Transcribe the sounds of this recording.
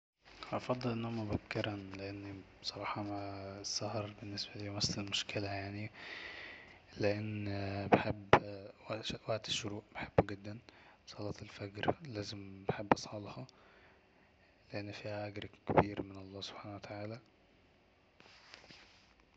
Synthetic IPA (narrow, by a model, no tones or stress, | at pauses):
hæʔɑfɑd̪ˤːelʔenːhomæbæbkeɾænleʔenː | sˤɑɾˤɑːħɑmæsˤːɑhɑɾˤbenːesbælimæslelmoʃkelæjaʕni | leʔenːbeħebːwæwæʔd̪e̥ʃːʊɾuːʔbeħebːɡed̪ːænbsˤɑlɑːt̪elfæɡɾlæːzembeħebːʔɑsˤħɑlhɑ | leʔenːfiːhæʔæɡɾkebiːɾmenʔɑlˤːɑːso̥b̥ħaːnæwæt̪ʰaʕaːlæ